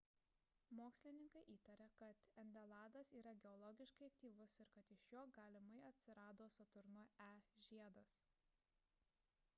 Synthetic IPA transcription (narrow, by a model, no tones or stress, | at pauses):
moːksʲlʲɪnʲɪŋkɐɪʔiːt̪ɐɾʲɐkɐt̪ɛnʲd̪ʲɛlˠɑːd̪ɐsiːɾɐɡʲɛɔlˠɔɡʲɪʃkɐɪɐkt̪ʲiːʋʊsɪɾkɐt̪ɪʃjoːɡɑːlʲɪmɐɪɐt̪ʲsʲɪɾɑːd̪oːsɐt̪ʊɾnʊæːʒʲiɛd̪oːs